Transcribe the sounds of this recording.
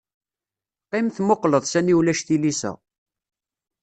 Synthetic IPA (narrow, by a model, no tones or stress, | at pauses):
qːɪmθmoqləðˤsæniwlæʃθilisæ̰